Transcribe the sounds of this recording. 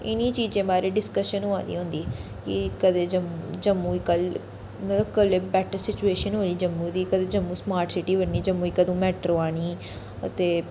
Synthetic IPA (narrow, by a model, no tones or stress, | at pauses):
ɪ̰niːt͡ʃiːd͡ʒẽːbaːɾeːɖɪskəʃənɦoãːd̪ḭːɦõnd̪iː | kɪkəd̪eːd͡ʒəmd͡ʒəmːũːikəl | nəkəlebɛːʈəɾsɪt͡ʃueːʃənɦoːniːd͡ʒəmːũːd̪iːkəd̪eːd͡ʒəmːũːsmaːɾʈsɪʈiːɦoɾniːd͡ʒəmːuːiːkəd̪õːmɛːʈɾoːaːɽ̃iː | ə̰t̪eː